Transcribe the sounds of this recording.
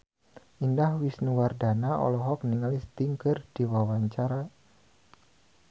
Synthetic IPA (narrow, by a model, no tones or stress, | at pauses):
ʔindahwisnuwardanaɔ̰lɔɦɔk̚niŋalist̪iŋkərd̥iwawaɲt͡ʃaɾa